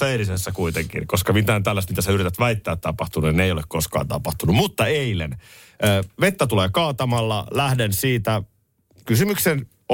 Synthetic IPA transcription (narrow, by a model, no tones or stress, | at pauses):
eilisesːækuit̪eŋkḭnkoskɑmit̪æːnt̪ælːæst̪mit̪æseyɾit̪æt̪ʋæit̪ːæːt̪t̪ɑpɑht̪unueneijolekkoskɑ̰ːnt̪ɑpɑht̪unumut̪ːɑeilen | ʔəːʋet̪ːæt̪uleːkɑːt̪ɑmɑlːɑlæhdensiːt̪æ | kysymyksen